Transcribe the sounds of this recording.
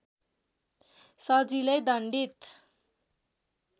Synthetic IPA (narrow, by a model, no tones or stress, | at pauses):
sʌd͡zilejd̪ʌɳɖit̪